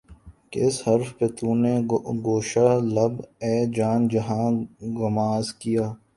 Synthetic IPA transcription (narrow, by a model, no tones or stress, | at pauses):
kɪ̰sɦɐɾfpet̪uːneɡoːʃaːləbɛːd͡ʒaːnd͡ʒɐɦãːɡʊmaːzkijaː